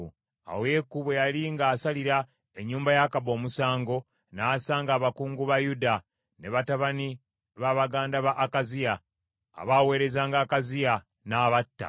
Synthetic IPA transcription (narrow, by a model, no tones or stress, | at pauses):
a̰we̞ːkːuβejaliŋɡaːsaliɾa | e̞ɲːuːmbajakabo̞ːmusaːŋɡo̞ | naːsaːŋɡaːβakuːŋɡuβajuda | ne̞βataβani | βaβaɡaːndaβaʔːkazija̰ː | βawe̞ːɾe̞zaːŋɡaːkazija | naːβatːa̰